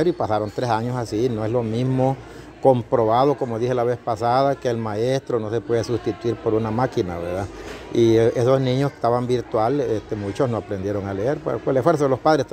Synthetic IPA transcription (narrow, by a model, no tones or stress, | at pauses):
eɾoipasaɾo̞nt̪ɾesaɲosasinoe̞slo̞mizmo | kompɾo̞βaðo̞ko̞moðihe̞laβe̞spasaðake̞ːlmaest̪ɾo̞no̞se̞pwe̞ðesust̪it̪uiɾpo̞ɾunamakina̰βeɾðaiesoznĩɲose̥t̪aβambiɾt̪walest̪emut͡ʃosnoapɾend̪je̞ɾo̞ŋale̞eɾpekwelesfweɾsaðelo̞spaðɾest̪